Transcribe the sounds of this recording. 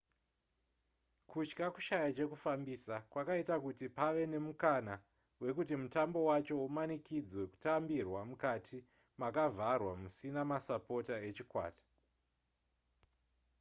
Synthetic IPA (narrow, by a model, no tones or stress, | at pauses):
kʰut͡ʃkaku̥ʃajat͡ʃe̞kufambisakwakaitakutipaʋe̞ne̞mukana | we̞kutimutambo̞wat͡ʃo̞umanikid͡zwe̞ku̥tambirwamukatʰi | makavʱarwamusinamasapo̞tae̞t͡ʃikwa̰ːtḁ